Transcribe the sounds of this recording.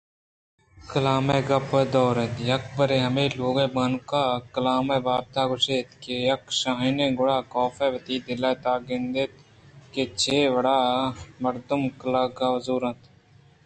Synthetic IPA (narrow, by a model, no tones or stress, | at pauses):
kəlaːmeːɡɐpːeːd̪ɔːɾẽt̪ijɐk̚bəɾeːɦɐmeːloːɡẽːbaːnkaːkəlaːmeːbaːb̚t̪aːɡʊʃeːt̪kejɐkʃaːɦinẽːɡʊɽaːkɔːfɛːʋət̪iːd̪ɪlaːt̪aːɡɪnd̪eːt̪ | keːt͡ʃʰeːʋəɽaːmɐɾd̪əmkəlaɡaːzuːɾɐ̃t̪